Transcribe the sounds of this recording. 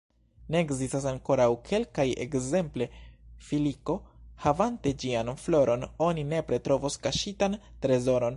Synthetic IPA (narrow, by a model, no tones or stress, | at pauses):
ne̞ːkzistasaŋko̞ɾawkʰe̞lkaje̞̰kze̞mple̞filiko̞havante̞d͡ʒianflo̞ɾo̞no̞nine̞pɾe̞tɾo̞voskaʃitantɾe̞zo̞ɾo̞n